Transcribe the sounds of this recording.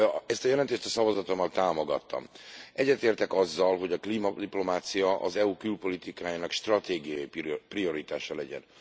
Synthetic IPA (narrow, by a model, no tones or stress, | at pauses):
ɛst̪ɒjɛlɛnt̪eːʃt̪ɒsɒvɒzɒt̪omːɒlt̪aːmo̞ɡɒ̰t̪ːɒ̰mɛɟːɛt̪eːrt̪ɛkɒzːɒlɦo̞ɟɒkliːmɒd̪iplo̞maːt̪sijɒʔɒ̰zɛuːkylpo̞lit̪ikaːjaːnɒkʃt̪rɒt̪eːɡijɒjipprio̞ɾit̪aːʃɒlɛɟɛ̰n